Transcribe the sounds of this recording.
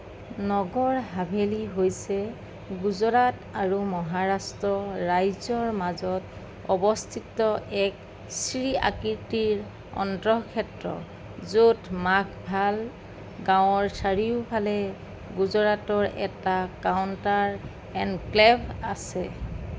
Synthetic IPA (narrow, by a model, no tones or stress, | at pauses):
nɔɡɔɹɦabʱeliɦojsɛ | ɡuzɔɹataɹumɔɦaɹastɹɔɹajzɔɹmazɔt | ɔbɔstʰitɔɛk | sɹia̰kiɹtiɹ | ɔ̰ntɹɔɦkʰɛtɹɔ̰ | zotmakʰbʱal | ɡãw̃ɔɹsaɹiʊpʰalɛ | ɡuzɔɹatɔɹʔɛ̰takawntaɹ | ɛndklɛbasɛ